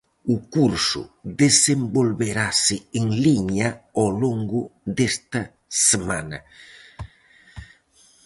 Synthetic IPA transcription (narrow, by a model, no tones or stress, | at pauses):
ukuɾsṵd̪esembolβeɾasɪeŋliɲaoloŋɡud̪est̪a | semana